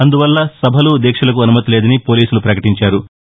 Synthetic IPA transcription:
ɐnd̪uʋɐlːɐsɐbʱɐlud̪ɛːkʂɐlɐk̬uɐnumɐt̪ileːd̪ɐnipo̞ːliːsulupɾɐkɐʈiɲt͡ʃaːɾu

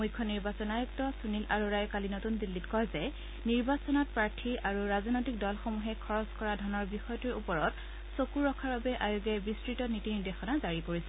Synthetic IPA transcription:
mujkʰːɔniɹbasɔnajɔk̚tɔsunilʔaɹuɹajkalinotundilːitkɔjzɛ | niɹbasɔnɔt̚pɹaɹtʰiʔaɹuɹaznojtik̚dɔlxomuɦɛkʰɔɹɔskɔɹadʱɔnɔɹbixɔjɔtuɹupɔɹɔt | sokuɹːɔkʰaɹbabɛʔajoɡɛbistɹitɔnitiniɹdexɔnazaɹikoɹisɛ

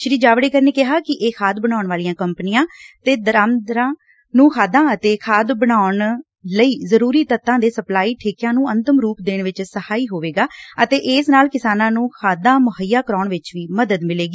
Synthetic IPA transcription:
ʃɾiːd͡ʒaːʋɽeːkəɾneːkɪɦaːkɪʔeːkʰaːd̪bəɽaːʊɳʋaːlijãːkəmpnɪjãːt̪eːd̪əɾaːmd̪ɾãː | nũːxʰaːd̪ãːət̪eːkʰaːd̪bəɽaːʊɳ | ləiːzəɾuːɾiːt̪ət̪ːãːd̪eːsəplaːiːʈʰeːkjãːnũːənt̪əmɾuːpd̪eːɳʋɪt͡ʃsəhaːiːɦoːʋeːɡaːət̪eːʔɪːsnaːlkɪsaːnãːnũːkʰaːd̪ãːmʊɦəjːaːkəɾaːɳʋɪt͡ʃʋiːməd̪əd̪mɪleːɡiː

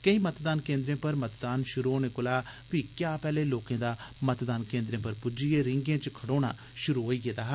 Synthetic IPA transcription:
kəĩːmət̪d̪aːnkẽːnd̪ɾẽːpəɾmət̪d̪aːnʃʊɾoːnekʊlaː | ʋikjaːpɛːleːloːkẽːd̪aːmət̪d̪aːnkẽːnd̪ɾẽːpəɾpʊd͡ʒieːɾɪ̃ŋɡẽːt͡ʃkʰəɽoːɽ̃aː | ʃʊɾuːɦoːiːɡed̪aːɦ

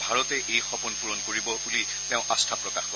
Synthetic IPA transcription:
bʱaɹɔtɛʔejxɔpɔnpuɹɔnkoɹibɔbuli | teʊ̃ʔastʰapɹɔkaxko

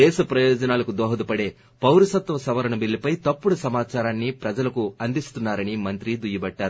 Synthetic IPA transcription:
d̪ɛːʃɐpɾɐjɔːd͡ʒɐnaːlɐkud̪ɔːɦɐd̪upɐɽe̞ː | pɐwɾusɐt̪ʋɐsɐʋɐɾɐɳɐbilːipɐjt̪ɐpːuɽusɐmaːt͡ʃaːɾaːnːipɾɐd͡ʒɐlɐkuɐnd̪ist̪unːaːɾɐnimɐnt̪ɾid̪ujɐbɐʈːaːɾu

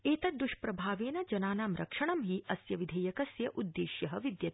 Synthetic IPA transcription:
eːt̪ɐd̪uʃpɾɐbʱaːʋeːnɐd͡ʒɐnaːnaːmɾɐ̰kʂɐɳɐmɦiʔɐsjɐʋid̪ʱeːjɐkɐsjɐʔud̪ːeːʃjɐɦɐ̆ʋid̪jɐt̪

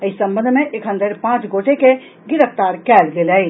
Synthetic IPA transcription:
əisə̃mbə̃nd̪ʱmẽʔekɦənd̪eɾpãt͡ʃɡoʈeke | ɡɪɾəft̪aɾkɛlɡeləɪ

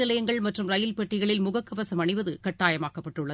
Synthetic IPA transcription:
ɪlɐjɐŋɡɐɭmɐʈrɯmɾɐjɪlpɛʈːɪɣɐɭɪlmʊɣɐkːɐbɐsɐmɐɳɪʋɐðɯkɐʈːaːjɐmaːkɐpːɐʈːɯɭːɐð

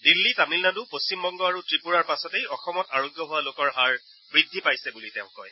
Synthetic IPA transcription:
dilːitamilnanupost͡ɕimbɔŋɡɔaɹutɹipuɹaɹpasɔtejɔxɔmɔtaɹoɡjɔɦʊwalokɔɹɦaɹ | bɹidʱːipajsɛbulitɛʊ̃kɔj

